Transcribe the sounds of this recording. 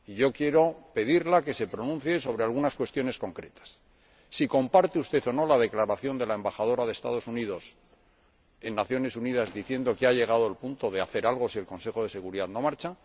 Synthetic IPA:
iʝo̞kje̞ɾo̞pe̞ðiɾlake̞se̞pɾo̞nũnθje̞so̞β̞ɾe̞alɣunaskwe̞st̪jo̞ne̞sko̞ŋkɾe̞t̪ḁsː | iko̞mpaɾt̪eust̪e̞θo̞no̞lað̞e̞klaɾaθjo̞nd̪e̞lae̞mbaχað̞o̞ɾaðest̪a̰ð̞o̞sunið̞o̞s | e̞nːaθjo̞ne̞sunið̞azd̪iθje̞nd̪o̞keaʎe̞ɣ̞að̞oelpunt̪o̞ðe̞aθe̞ɾalɣo̞sie̞lko̞nse̞xo̞ð̞e̞se̞ɣuɾiðaðno̞maɾt͡ʃa

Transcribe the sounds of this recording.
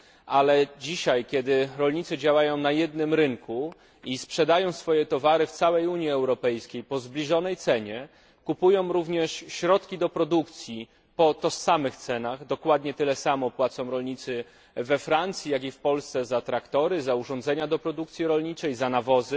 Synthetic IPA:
ʔalɛd͡ʑiɕajkʲɛd̪ɘɾɔlɲit̪sɘd͡ʑawajɔ̃w̃najɛd̪̚nɘmɾɘŋku | ispʂɛd̪ajɔ̃w̃sfɔjɛt̪ɔvaɾɘft̪sawɛjuɲiɛwɾɔpɛjskʲejpɔzblʲiʐɔnɛjt̪sɛɲɛ | kupujɔ̃w̃ɾuvɲɛʂɕɾɔt̪kʲid̪ɔpɾɔd̪ukt̪sʲji | pɔt̪ɔsamɘxt̪sɛnaɣd̪ɔkwad̪ɲɛt̪ɘlɛsamɔpwat̪sɔ̃w̃ɾɔlɲit̪sɘ | vɛfɾant̪sʲjijaɡifpɔlst̪sɛzat̪ɾakt̪ɔɾɘzauʐɔ̃nd̪zɛɲad̪ɔpɾɔd̪ukt̪sʲjiɾɔlɲit͡ʂɛjzanavɔzɘ

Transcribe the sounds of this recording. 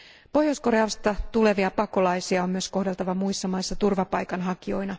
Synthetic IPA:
po̞hjosko̞rɑːst̪ɑt̪ule̞ʋiɑpɑko̞lɑjsiɑo̞mmyøsko̞hde̞lt̪ɑʋɑmuisːɑmɑjsːɑt̪urʋɑpɑjkɑnɦɑkio̞jnɑ

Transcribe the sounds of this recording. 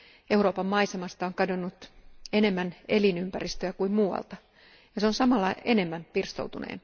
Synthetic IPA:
euro̞ːpɑmmɑisemɑst̪ɑoŋkɑdonːut̪ene̞mːænelinympærist̪øækuimmuːɑ̰lt̪ɑ | jɑseonsɑmɑlːɑene̞mːæmpirst̪o̰uwt̪unḛːn

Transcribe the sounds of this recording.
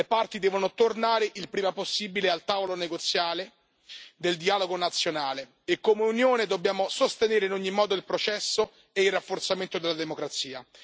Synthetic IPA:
lepart̪id̪ɛːvonot̪ornaːɾeʔilpɾiːmaposːiːbilealt̪aːvoloneɡot̪sːjaːle | d̪eld̪iaːloɡonat̪sːjonaːle | ekːomeunjoːned̪obːjaːmosost̪eneːɾeinoɲːimːɔːd̪oilpɾot͡ʃɛsːo | eilrːafːort̪sament̪od̪elːad̪emokɾat̪siːa

